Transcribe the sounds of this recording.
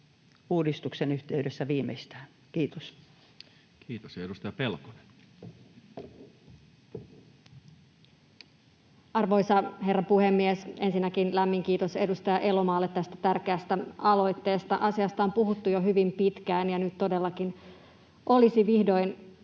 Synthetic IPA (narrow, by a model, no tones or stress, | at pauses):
uːdist̪uksenyht̪eydesːæʋiːmḛist̪æːn | kiːt̪o̥s | kiːt̪osedust̪ɑjɑpelko̥nen | ɑrʋo̞jsɑɦe̞rːɑpuhemːiesʔensinːækinlæmːiŋkiːt̪ose̞dust̪ɑjɑʔe̞lomɑːlːet̪tːæst̪æ̥t̪ærkeæst̪æɑlo̞jt̪ːe̞ːst̪ɑʔɑsiɑst̪ɑompuɦut̪ːujoɦyʋimpit̪kæːnjɑnyt̪t̪ːo̞de̞lːɑkin | ʔo̞lisiʋihdo̞jn